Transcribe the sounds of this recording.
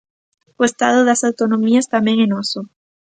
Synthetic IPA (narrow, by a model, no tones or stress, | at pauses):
oest̪aðoðasawt̪onõmiast̪amẽŋenoso